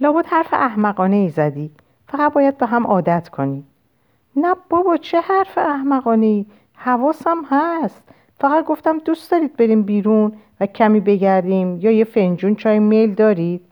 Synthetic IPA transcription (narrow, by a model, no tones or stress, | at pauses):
lɒːbot̪hæɾfeʔæhmæɣɒːne̞iːzæd̪iː | fæʁæt̪̚bɒːjæd̪̚beɦæmʔɒːd̪æt̪ʰkʰo̞niː | næb̥ɒbɒːt͡ʃʰe̞hæɾfeæhmæɣɒːne̞iː | hævɒːsæmhæst̪ | fæɣæt̪̚ɡo̞ft̪æmd̪usd̪ɒːɾiːd̪̚be̞ɾiːmbiːɾun | væcʰæmiːbe̞ɡæɾd̪iːmjɒːjefe̞nd͡ʒuːnt͡ʃʰɒːjimejld̪ɒːɾid̪̥̚